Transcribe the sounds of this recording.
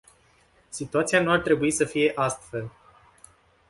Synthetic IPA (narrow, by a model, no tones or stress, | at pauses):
sit̪uat̪sijanuart̪ɾe̞buisəfije̞ʔast̪fe̞l